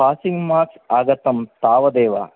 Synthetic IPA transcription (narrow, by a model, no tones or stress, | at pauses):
paːsiŋɡmaːɾksaːɡɐt̪ɐmt̪aːʋɐd̪eːʋa̰